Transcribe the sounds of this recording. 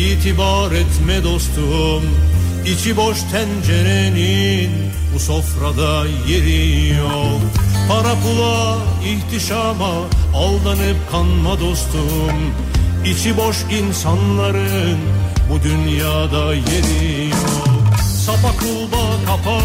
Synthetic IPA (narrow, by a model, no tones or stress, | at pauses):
iːt̪ʰibaɾɛt̪mɛd̪ost̪ʰu | m | it͡ʃʰiboʃt̪ʰænd͡ʒeɾenin | busofɾad̪a | jeɾijopʰaɾakulˠa | iht̪ʰiʃamaː | lˠd̪anɯp̚kʰanmad̪ost̪ʰu | m | it͡ʃʰiboʃ | insanlˠaɾɯnbud̪ynjaːd̪a | jeɾi | josapakʰulˠbakʰapʰa